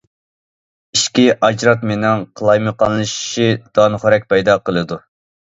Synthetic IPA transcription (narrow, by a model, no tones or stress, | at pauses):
iʃkʲiʔɑd͡ʒɾɑt̪menɪŋqʰəlˠɑjmɨqɑnːˠɨʃʃid̪̥ɑnχʊɾɛk̚ʲpʰɛjd̪ɑqəlˠɨd̪u